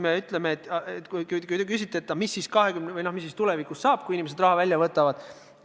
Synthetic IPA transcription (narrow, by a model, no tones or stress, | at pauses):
meyt̪ˑle̞meːt̪ːˑɑet̪ːkujkujkujd̪ekys̬it̪ːˑeet̪ːɑmisːiːskɑɦe̞kymnevɯjnohmis̬ːiːst̪ulevikusːɑːb̥̚kuinimese̞d̪rɑhɑvælʲjɑvɤt̪ːˑɑvɑd̪̥